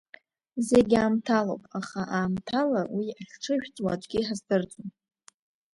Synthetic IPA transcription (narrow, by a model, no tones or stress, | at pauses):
ze̞ɡʲaːmtʰalo̰wpʼaχaʔaːmtʰalawiaχʲʈ͡ʂʰɨʃᶣt͡sʼwa̰d͡ʒʷʼɡʲiħazdɨrt͡sʷʼun